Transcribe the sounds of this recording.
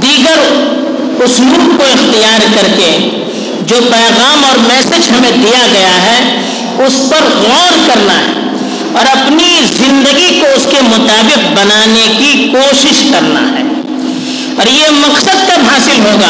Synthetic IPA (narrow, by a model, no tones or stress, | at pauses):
d̪iːɡəɾ | ʊsmuːkkoɪxt̪ijaːɾkɐɾke | d͡ʒoːpɛːɣaːmɔːɾmɛːsɦed͡ʒɦɐmẽd̪ijaɡɐjaɦɛ | ʊspɐɾɣɔːɾkɐɾna̰ɦɛ̰ | ɔːɾɐpnizɪ̃nd̪əɡikoʊskemʊt̪aːbɪq̚bɐnaːnekikoːʃɪʃkɐɾna̰ɦɛ̰ː | ɔːɾjemɐksəd̪̚kabɦaːsɪlɦoːɡaː